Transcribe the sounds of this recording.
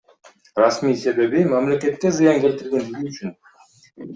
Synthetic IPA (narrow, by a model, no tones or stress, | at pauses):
rɑsmiːse̞βe̞βimamlʲe̞ke̞t̪̚ke̞zɨjɑŋke̞lt̪iɾɡe̞nd͡ʒyzyyt͡ʃʰyn